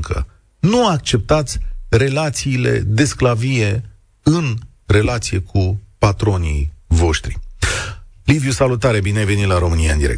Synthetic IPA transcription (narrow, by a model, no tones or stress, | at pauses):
ŋkʰə̰ | nuak̚t͡ʃe̞p̚t̪at̪sʲre̞lat̪siːle̞̰d̪e̞sklavije̞ | ɨn | re̞lat̪sije̞kʰupat̪ɾo̞nḭjvo̞ʃt̪ɾḭ | livjusalut̪aɾebineajve̞nit̪laɾo̞mɨniaɨnd̪iɾḛk